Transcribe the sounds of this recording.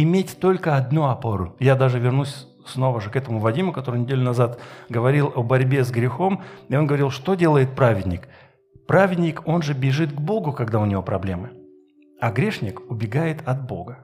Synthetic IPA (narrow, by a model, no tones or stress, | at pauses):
ɪmʲetʲt̪o̞lʲkəɐd̪nuɐpo̞ɾʊjad̪aʐɨvʲɪrnusʲ | sno̞vəʐɨkɛt̪əmʊvɐdʲimʊkɐt̪o̞ɾɨjnʲɪdʲelʲʊnɐzat̪ɡəvɐɾʲilˠɐbɐɾʲbʲe̞zɡɾʲɪxo̞mɪo̞nɡəvɐɾʲilˠʂt̪o̞dʲe̞lˠəjɪt̪̚pɾavʲɪdʲnʲɪk | pɾavʲɪdʲnʲɪko̞nʐɨbʲɪʐɨt̪ɡbo̞ɡʊkɐɡd̪aʊnʲɪvo̞pɾɐblʲe̞mɨ | ɐɡɾʲe̞ʂnʲɪkʊbʲɪɡajɪt̪ɐt̪̚bo̞̰ɡə